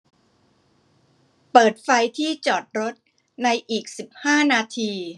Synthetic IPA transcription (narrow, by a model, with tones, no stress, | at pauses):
pɤː˨˩t̪̚fa˧jt̪ʰiː˥˩t͡ɕɔː˨˩t̪̚ɾo˦˥t̪̚ | na˧jʔiː˨˩k̚si˨˩p̚haː˥˩naː˧t̪ʰiː˧